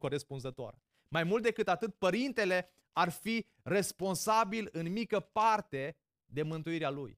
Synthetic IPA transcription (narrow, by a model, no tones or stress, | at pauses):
ko̞ɾespunzət̪oa̰ɾ | majmult̪̚d̪e̞kɨt̪at̪ɨt̪̚pəɾint̪e̞le̞ | arfi | re̞spo̞nsabilɨnmikəpart̪e̞ | d̪e̞mɨnt̪uiɾealuj